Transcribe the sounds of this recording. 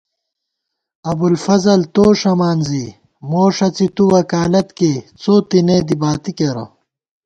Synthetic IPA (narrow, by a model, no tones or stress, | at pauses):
ɐbulfɐzɐlt̪oːʂɐmaːnzi | moːʂɐt͡sit̪uwɐkaːlɐt̪ket͡soːt̪ineːd̪ibaːt̪ikeɾɐ̰